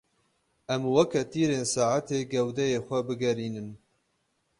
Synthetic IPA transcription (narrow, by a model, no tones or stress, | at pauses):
ʔɛmwɐkɛt̪iːɾeːnsaːʕat̪eːɡɛwd̪ɛjeːxʷɛbɨɡɛɾiːnɨn